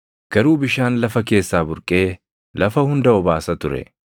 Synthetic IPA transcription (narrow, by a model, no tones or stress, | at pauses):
ɡ̥ɐɾuːbɪʃaːnlɐfɐke̞ːsːaːbʊɾkʼe̞ː | lɐfɐhʊnd̪ɐɔbaːsɐt̪ʊɾɛ̰